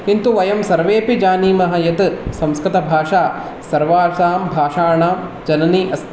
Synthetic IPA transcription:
int̪uʋɐjɐmsɐɾʋeːpid͡ʒaːniːmɐɦɐjɐt̪sɐ̃mskɾɪt̪ɐbʱaːʂaː | sɐɾʋaːɾʃaːmbʱaːʂaːɳaːmd͡ʒɐnɐniʔɐs

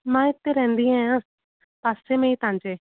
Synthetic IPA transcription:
mãːɪt̪ːeɾɛ̃ɦːnd̪iãjãː | paːsemẽiːt̪ãːɲd͡ʒeː

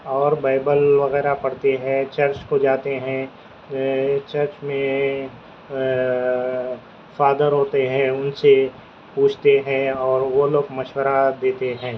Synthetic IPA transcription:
ɔːɾbaːɪbəlʋɐɣɛːɾapɐɽt̪eɦɛ̃t͡ʃɐɾt͡ʃkod͡ʒaːt̪eɦɛ̃ | t͡ʃɐɾt͡ʃmẽ | faːd̪əɾɦoːt̪eɦɛ̃ʊnse | puːt͡ʃʰt̪eɦɛ̃ɔːɾʋoloːɡmɐʃwəɾad̪eːt̪eɦɛ̃ː

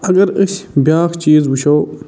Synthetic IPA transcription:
ɐɡɐɾɐɕbjaːxt͡ɕiːzbuɕoː

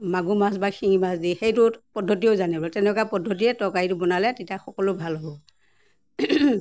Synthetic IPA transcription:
maɡumasbakʰiŋimasdixejtʊpɔdʱɔt̬iozanɛbɔltɛnɛkwapɔdʱɔt̬iɛtɔkaitʊbɔnalɛtitaxɔkɔlʊbʱalɔbɔ

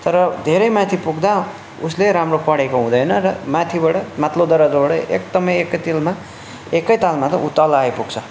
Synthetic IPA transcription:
t̪ʌɾʌd̪ʱeɾʌjmãt̪ʰipuɡd̪a | usleɾamropʌɽekoɦũd̪ʌjnʌɾʌmat̪ʰibaɽʌmat̪lod̪ʌɾʌd͡zobaɽʌek̚d̪ʌmʌjekʌjt̪ilma | ekʌjt̪almat̪ʌʔut̪ʌlajpuɡt͡sʰʌ

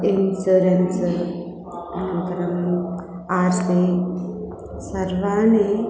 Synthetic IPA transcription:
insuɾens | ɐnut̪ɐɾɐm | aːɾsi | sɐɾʋaːni

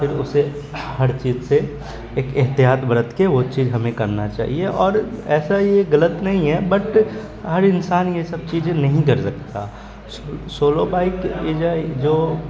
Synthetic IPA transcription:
pʰɪɾʊ̰se | ɦɐɾt͡ʃiːzseː | keɦt̪ijaːt̪bɐɾət̪keʋot͡ʃiːzɦɐmẽkɐɾnat͡ʃa̰ːɦieʔɔːɾɛːsajeɣɐlət̪nɐɦĩɦɛbɐʈ | ɦɐɾɪnsaːnjesɐb̚t͡ʃiːd͡ʒẽnɐɦĩkɐɾsɐkt̪a̰ | sosoːlobaːɪkjed͡ʒad͡ʒoː

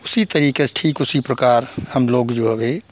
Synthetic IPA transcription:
ʊsit̪əɾiːkesʈʰiːkʊsipɾəkaːɾhəmloːɡd͡ʒoːɦɐbeː

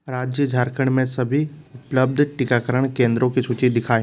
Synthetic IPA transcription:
ɾaːd͡ʒjəd͡ʒʱaːɾkʰəɽ̃mẽsɐbʱiʊpləb̚d̪ʱʈɪkakɐɾəɽ̃kẽːnd̪ɾõkʰisut͡ʃid̪ɪkʰaːj̃

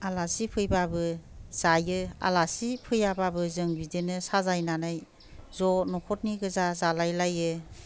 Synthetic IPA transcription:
alasipʰɯjbabɯz̥ajɯa̰lasipʰɯjababɯzɯŋbidenɯsazajnanaj | zɔnɔkʰɔt̚niɡɯzazalajlajɯ

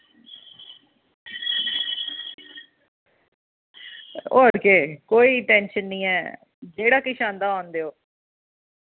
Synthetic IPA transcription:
o̰ːəɾkeːkoːiːʈɛ̃ːnʃənːĩːɛ̰ː | d͡ʒeːɽaːkɪʃãːnd̪aːaːnd̪eːoː

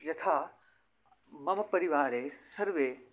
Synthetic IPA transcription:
jɐt̪ʰaː | mɐmpɐɾiʋaːɾesɐɾʋe

